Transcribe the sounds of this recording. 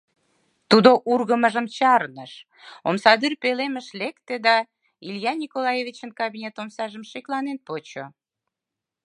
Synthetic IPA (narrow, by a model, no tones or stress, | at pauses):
t̪ud̪oʔurɣəməʒə̆mt͡ɕɑrnəʃ | omsɑd̪yrpeleməʃlekt̪ed̪ɑ | iljɑnʲikolɑjevit͡ɕənkɑbinʲet̪omsɑʒəmʃeklɑnenpot͡ɕo